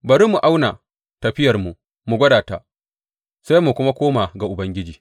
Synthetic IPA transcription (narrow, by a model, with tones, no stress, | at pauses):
bɐ˨ɾi˦mu˨ʔa˦wna˨ | tɐ˨ɸɪ˦jɐ˨rmu˨ | mu˨ɡʷɐ˦daː˨ta̰˦ʔ | sa˦jmu˨kʷʊ˦ma˦kʷoː˦maː˨ɡa˨ʔʊ˨bɐ˦ŋɡʲɪ˦d͡ʒiː˨